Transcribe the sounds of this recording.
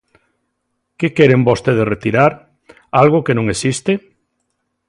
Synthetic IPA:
kekɛɾembost̪eð̞esret̪iɾaɾ | alɣ̞okenõŋesist̪e

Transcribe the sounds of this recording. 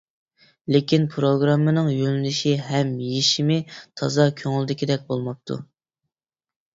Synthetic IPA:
lɪkʲinpʰɾoɡɾɑmːɨnɨŋjønɪlɪʃiɦɛmjiʃimɪt̪ʰɑzɑkʲʰøŋɪld̪ɪkʲid̪ɛk̚ʲbolˠmɑp̚t̪ʰṵ

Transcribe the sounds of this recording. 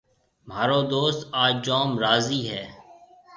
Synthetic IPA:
m̤aːɾoːd̪oːst̪aːd͡ʒd͡ʒaːmɾaːziːɦɛː

